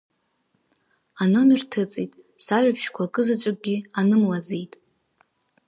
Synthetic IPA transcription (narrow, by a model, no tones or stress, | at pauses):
ano̞mirtʰɨt͡sʼitʼ | saɥʷᶣapʰʃkʷʰakʼɨzat͡ʃʷʼakʷʼɡʲianɨmlad͡zejtʼ